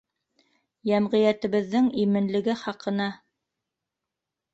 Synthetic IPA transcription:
jæmʁĭjæt̪ɘ̆βɘ̆ðːɘŋimɘ̆nlɘ̆ɡɘχɑqɤ̆nɑ

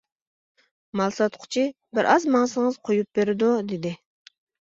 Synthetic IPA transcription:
mɑlˠsɑt̪qʰʊ̥t͡ʃʰi | bɪɾʔɑzmɑŋsɨŋəz̥qʰojup̚beɾɪd̪ud̪ɪd̪ɪ

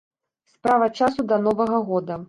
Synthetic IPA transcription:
spɾavɐt͡ʂasud̪ɐnɔvɐɣɐɣɔd̪ɐ

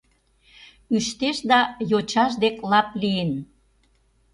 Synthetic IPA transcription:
yʃt̪eʃd̪ɑjot͡ɕɑʃ̬d̪eklɑpliən

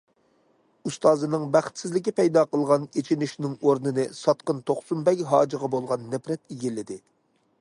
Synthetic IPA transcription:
ust̪ɑːzɨnɨŋbæχt̪sɪzlɪkʲipɛjd̪ɑːqəlˠʁɑnet͡ʃʰinɪʃnɪŋoɾnɨnɨsɑt̪qənt̪ʰoχsumbɛkʲɦɑːd͡ʒɨʁɑbolˠʁɑnːɛpɾɛt̪iɡʲilɪd̪ɪ

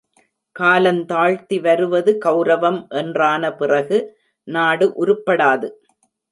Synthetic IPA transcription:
kaːlɐnt̪aːɻt̪iʋɐɾɯʋɐðɯkɐʊɾɐʋɐmʔɛndraːnɐpɪrɐɣɯ | naːɽɯʔʊɾɯpːɐɽaːðɯ

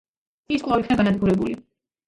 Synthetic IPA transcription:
iskʼlˠavikʰnaɡanad̪ɡuɾɛbuli

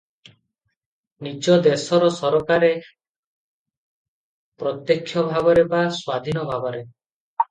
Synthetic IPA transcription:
nid͡ʒɔd̪esɔɾɔsɔɾɔkaɾe | pɾɔt̪jekʰːjɔbʱabɔɾebaswad̪ʱinɔbʱabɔɾe

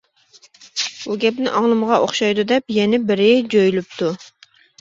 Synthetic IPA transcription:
buɡʲɛpnɪʔɑŋlˠɨmʁɑʔoχʃɑjd̪ud̪ɛpjɛnɪbɪɾɪd͡ʒojylyp̚t̪ʰu

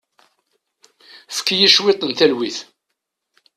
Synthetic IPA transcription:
fə̥kːjiʃwet̪ˤənt̪ælwiθ

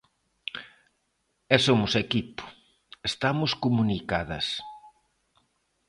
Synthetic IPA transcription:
ɛsomʊsekipʊ̥ | est̪amʊskomunikaðɐs

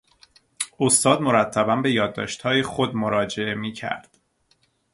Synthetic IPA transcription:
ost̪ɒːd̪mo̞ɾæt̪ʰːæbæmbe̞jɒːd̪ːɒ̰ːʃt̪hɒːjexod̪moɾɒːd͡ʒe̞ʔe̞miːcʰæ̰ɾd̪̥

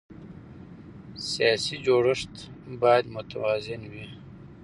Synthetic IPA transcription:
sijɑːsid͡ʒoːɽəʂt̪ | bɑjd̪mʊt̪awɑːzɪnwi

